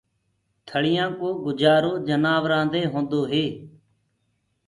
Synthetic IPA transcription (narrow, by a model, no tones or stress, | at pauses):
t̪ʰəɭɪjãːkoːɡʊd͡ʒaːɾoːd͡ʒənaːʋɾãːnd̪eːɦõːnd̪oːɦeː